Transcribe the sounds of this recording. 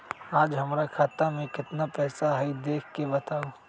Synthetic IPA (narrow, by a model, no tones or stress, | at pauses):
aːd͡ʒɦɐmɾakʰaːt̪amẽkɪt̪napɛːsaɦɐid̪eːkʰkebɐt̪aːoː